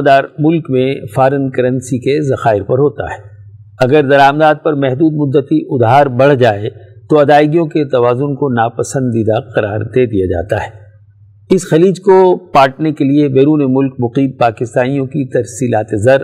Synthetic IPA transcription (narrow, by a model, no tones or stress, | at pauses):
d̪aːɾmʊlkmẽfaːɾənkɐɾə̃nsikezɐxaːɪɾpɐɾɦoːt̪a̰ɦɛː | ɐɡəɾd̪ɐɾaːmd̪aːd̪̚pɐɾmɛɦd̪uːd̪mʊd̪ːət̪iʔʊd̪ɦaːɾbɐɽ̤d͡ʒaːet̪oɐd̪aːɪɡijõket̪ɐʋaːzʊnkonaːpɐsə̃nd̪ɪd̪aqɐɾa̰ːɾd̪eːd̪ijad͡ʒa̰ːt̪a̰ɦɛː | ɪsxɐliːd͡ʒkopaːʈnekeliebeːɾuːnemʊlk̚mʊqiːmpaːkɪst̪aːnijõkit̪ɐɾsiːlaːt̪ezɐɾ